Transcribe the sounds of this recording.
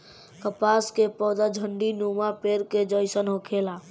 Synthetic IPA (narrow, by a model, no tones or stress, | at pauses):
kəpaskepɔːd̪ad͡ʒʱəɳɖinumapeɾked͡ʒəjsənɦokʰela